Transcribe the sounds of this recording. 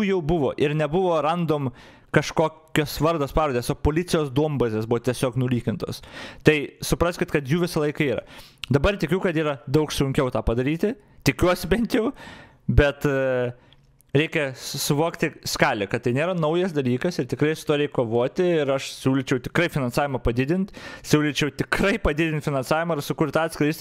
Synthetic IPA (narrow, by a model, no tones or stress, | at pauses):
uːjɛʊbʊʋo̰ːʔɪɾnʲɛbʊʋoːrɐnd̪oːm | kɐʃkoːkʲoːsʋɐɾd̪oːspɑːɾoːd̪ʲeːsoːpoːlʲɪt͡sʲɪjoːsd̪uɔmbɐzʲeːsbʊʋoːt̪ʲiɛsʲoːknʊlʲiːkʲɪnt̪o̰ːst̪ɐɪsʊpɾɐsʲkʲɪt̪kɐt̪juːʋʲɪsɐlˠɐɪkɐiːɾɐ̰d̪ɐbɐrt̪ʲɪkʲʊkɐt̪iːɾɐd̪ɐʊksʊŋʲkʲɛʊt̪ɑːpɐd̪ɐɾʲiːt̪ʲɪ | t̪ʲɪkʲuɔsʲɪbʲɛnʲt̪jɛʊ | bʲɛt̪ | ɾʲɛɪkʲɛsʊʋoːkt̪ʲɪskɑːlʲɪkɐt̪̚t̪ɐɪnʲeːɾɐnɐʊjɛsd̪ɐlʲiːkɐsɪɾt̪ʲɪkrɐɪsʊt̪uːɾɛɪkkːoːʋoːt̪ʲɪɪɾɐʃsʲuːlʲɪt͡ʃʲɛʊt̪ʲɪ̥kɾɐɪfʲɪnɐnsɑːʋʲɪmɐpɐd̪ʲɪd̪ʲɪnʲt̪ʲsʲuːlʲɪt͡ʃʲɛʊt̪ʲɪkrɐɪpɐd̪ʲɪd̪ʲɪnt̪ʲfʲɪnɐnsɑːʋʲɪmɐɪrsʊkʊrt̪ɑːt̪ʲsʲkɾʲɐɪsʲt̪ʲ